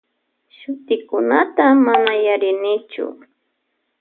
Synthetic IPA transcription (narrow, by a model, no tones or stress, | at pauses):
ʃʊt̪ɪkʊnat̪amanajaɾɪnɪt͡ʃʊ̰